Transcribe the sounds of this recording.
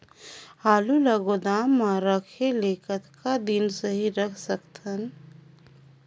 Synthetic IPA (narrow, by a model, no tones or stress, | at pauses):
haːluləɡod̪aːmːãɾəkʰeleːkət̪kad̪insəɦiɾəkʰsəkt̪ən